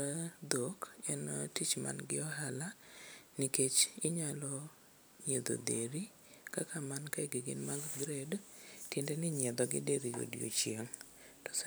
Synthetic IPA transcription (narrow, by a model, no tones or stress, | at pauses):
ad̪okɛnɔtit͡ʃma̰nɡɪɔɦalaniket͡ʃɪɲalɔ | ɲed̪o̰deɾi | kakamankaɛɡɪɡɪnmaɡɡɾedtindɛnɪɲɛd̪ɔɡɪ̰deɾio̰djo̰t͡ʃjeŋ | tɔ̥